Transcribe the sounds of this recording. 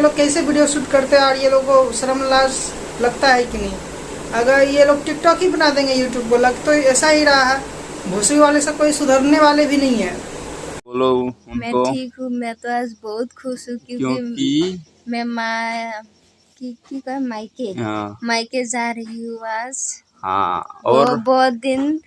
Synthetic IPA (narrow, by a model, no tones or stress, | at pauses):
loːɡ̚kɛɦĩsebiɖijosuʈkəɾt̪eɦɛɔːɾjeloɡosəɾəmlad͡ʒ | ləɡt̪aɦɛkinəɦĩ | əɡəɾjeloːɡ̚ʈɪk̚ʈɔkɦibənad̪ẽːŋɡejuːʈjuːb̚koləɡt̪oɛːsaɦiɾɐɦaɦɛ | bʱosiʋalesekoisʊd̪ʱəɾneʋaːlebʱinɐɦĩɦɛː | lomɛ̃ikɦũmɛ̃t̪oasbɔɦut̪kʰʊsɦũkjõokii | mɛ̃ma | kikikamajkemajked͡ʒaɾəɦiũaːs | ɦã̰ɔːbɔːt̪̚d̪ɪn